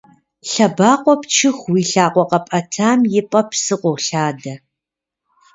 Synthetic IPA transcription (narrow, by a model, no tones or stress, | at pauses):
ɬɐbaːqʷʼɔpt͡ʃʰɨxʷwiːɬaːqʷɔqɐpʼɐtʰaːmjɪpʼɐpsɨqʷɔwɬaːdɐ